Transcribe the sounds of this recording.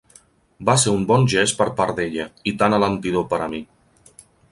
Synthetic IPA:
baseɾumbɔnʲʒespəɾpaɾd̪eʎəit̪analənt̪iðopəɾəmi

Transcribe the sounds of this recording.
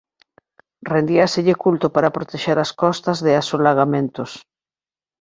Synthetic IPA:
rend̪iaseʎekult̪opaɾapɾot̪eʃeɾaskɔst̪azðɪasolaɣ̞amẽnt̪os

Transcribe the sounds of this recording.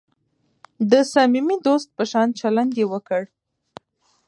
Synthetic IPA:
d̪əsamimid̪ost̪̚pəʃɑnt͡ʃaland̪jewəkəɽ

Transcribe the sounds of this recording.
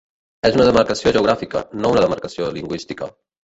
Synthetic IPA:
ezunəðəməɾkəsioʒəuɣɾafikə̰nounəðəmaɾkəsioliŋɡwist̪ikə

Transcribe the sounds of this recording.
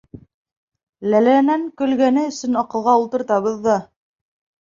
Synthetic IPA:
lælænæŋkɵ̆lɡænɘɵ̆sɵnɑqɤ̆lˠʁɑulˠt̪ɤ̆ɾt̪ɑβɤðːɑ

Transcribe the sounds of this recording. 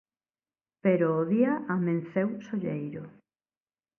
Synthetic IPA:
peɾoːðiaamẽn̟θewsoʎejɾʊ

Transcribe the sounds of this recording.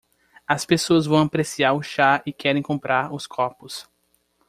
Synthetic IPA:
ɐspesoɐzvɐ̃w̃apɾesiaɾʊʃaɪkʰɛɾẽj̃kõmpɾaɾʊskʰɔpʊs

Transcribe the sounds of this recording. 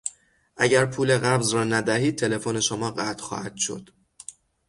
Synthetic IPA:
ʔæɟæɾpʰuːle̞ɣæbzɾɒːnæd̪æhiːd̪̚t̪ʰe̞le̞fone̞ʃomɒːɢæt̪ʰxɒ̰ːhæt̪ʃo̰d̪̥

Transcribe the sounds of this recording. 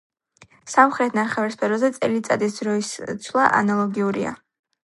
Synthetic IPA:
samχɾɛt̪ʰnaɾχɛvɛɾspʰɛɾɔzɛt̪sʼɛlit̪sʼa̰d̪isd̪ɾɔist̪sʰlˠaʔa̰nalˠɔɡiuɾḭa̰

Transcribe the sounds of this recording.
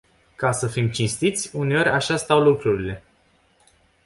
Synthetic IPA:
kasəfimt͡ʃinst̪it̪sʲune̞o̞ɾʲʔaʃast̪awlukɾuɾile̞

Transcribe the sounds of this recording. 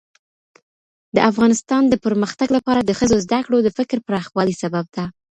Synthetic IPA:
d̪əʔafɣɑnɪst̪ɑnd̪əpəɾməxt̪aɡlapɑɾad̪əxəzozd̪akɽod̪əfɪkɾpəɾɑxwɑlisabab̚d̪a

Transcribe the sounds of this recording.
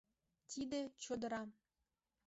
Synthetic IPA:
t̪id̪et͡ɕod̪ə̆ɾɑ

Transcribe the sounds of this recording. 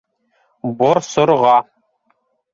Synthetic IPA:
boɾsoɾʁɑ

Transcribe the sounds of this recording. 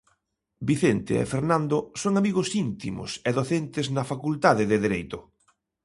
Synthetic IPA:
biθent̪ḛḛfeɾnãnd̪osoŋamiɣosint̪imʊ̰sɛðoθent̪ɪznɐfakult̪aðɪðɪðeɾejt̪ʊ

